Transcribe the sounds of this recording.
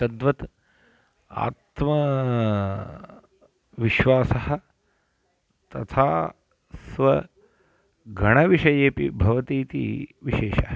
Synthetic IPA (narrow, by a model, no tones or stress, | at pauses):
tɐd̪ʋɐt̪ | a̰ːt̪mɐ | ʋiʃʋaːsɐɦɐ̆ | t̪ɐt̪ʰaː | sʋɐ | ɡʱɐɳɐʋiʃɐjeːpḭbʱɐʋɐt̪iːt̪ḭːʋiʃeːʃɐɦɐ